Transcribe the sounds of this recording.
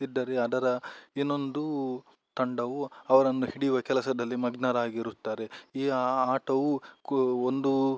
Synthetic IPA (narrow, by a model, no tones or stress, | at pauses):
id̪ːɐɾeɐd̪ɐɾɐinːo̞nd̪u | t̪ɐɳɖɐʋuɐʋɐɾɐnːuhiɽijuʋɐkɛlɐsɐd̪ɐlːimɐɡnɐɾaːɡiɾut̪ːaːɾeiːaːʈɐʋu | ond̪u